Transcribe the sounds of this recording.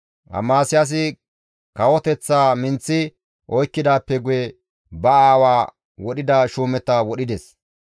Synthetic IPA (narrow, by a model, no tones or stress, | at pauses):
hɐ̰maːsɪjas̬ɪ | kɐwɔt̪ɛt͡sːaːmɪnt͡sːɪ | ʔɔjkːɪd̪aːpːɛɡʊjɛ | bɐaːwaː | wɔɗɪd̪ɐʃuːmɛt̪ːɐwɔɗɪd̪ɛs